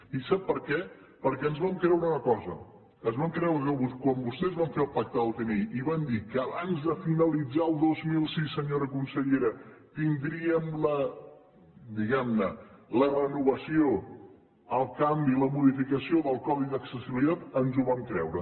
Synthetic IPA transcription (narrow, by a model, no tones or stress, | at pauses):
isapːəɾkɛ | pəɾkɛənzβamkɾɛwɾəunəkɔzə̰ | ənzβamkɾɛwɾəkəβukwambust̪ɛzβaɱfeəlˠpak̚t̪əðəlˠt̪əniiβand̪ikəːβanzðəfinəlid͡zaəlˠd̪ozmilˠsisːəɲoɾəkunsəʎeɾət̪ind̪ɾiəmlə | d̪iɣɛmnələrənuβəsio | əlˠkambiləmuðifikəsioðəlˠkɔðid̪əksəsiβilit̪at̪ənzuβamkɾɛ̰wɾə